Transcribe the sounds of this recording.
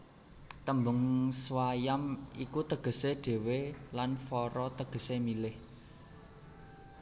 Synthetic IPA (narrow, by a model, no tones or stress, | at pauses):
t̪əmbʊŋswajamikut̪əɡ̥ə̤seɖ̥e̤welanfɔɾɔt̪əɡ̥ə̤semilɪh